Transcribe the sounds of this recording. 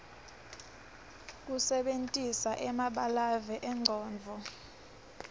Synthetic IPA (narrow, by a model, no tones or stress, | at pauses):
k̬ʼusɛɓentʼisaʔɛmaɓalavɛʔɛŋ͡ǀʱɔːnvʱɔ